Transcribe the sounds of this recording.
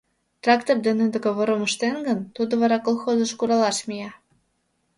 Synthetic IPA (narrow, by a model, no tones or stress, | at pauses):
t̪rɑkt̪ord̪enød̪ə̆keβoɾoməʃt̪enɡənt̪ud̪oβɑɾɑkolˠxozəʃkuɾɑlɑʃmʲijɑ